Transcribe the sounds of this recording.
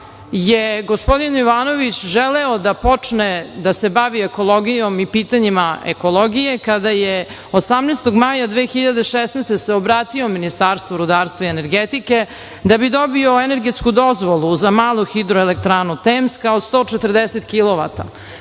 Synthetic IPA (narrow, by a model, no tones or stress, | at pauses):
jeɡospo̞d̪iniʋaːno̞ʋit͡ɕʒeleod̪apo̞t͡ʂned̪ase̞baʋiekolˠoɡijo̞mipiːt̪aɲimaḛkolˠoɡije̞kad̪aje | osamnest̪oɡmaːjad̪ʋeːxiʎad̪eʃesnest̪eseobɾaːt̪iominist̪aːɾst̪voɾud̪aːɾst̪vaiene̞ɾɡet̪ike̞ | d̪abid̪o̞bioene̞ɾɡet̪skud̪o̞zʋolˠuzamaːlˠuxid̪ɾoelek̚t̪ɾaːnut̪eːmskaod̪st̪o̞ːt͡ʂet̪ərd̪eset̪kilˠoʋa̰t̪a̰